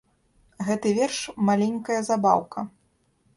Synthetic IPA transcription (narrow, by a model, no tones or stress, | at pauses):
ɣɛt̪ɨvʲɛrʂmalʲɛnʲkɐjɐzaba̰wkʰɐ